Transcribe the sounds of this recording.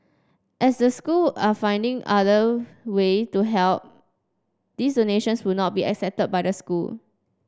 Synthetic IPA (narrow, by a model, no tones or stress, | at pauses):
ʔɛsdəskulafãj̃ndɪ̃ŋʔadəwetuɦɛlp̚ | d̥isdoneʃə̃nswunɔt̚biɛ̰ksɛp̚təd̚bajdəskul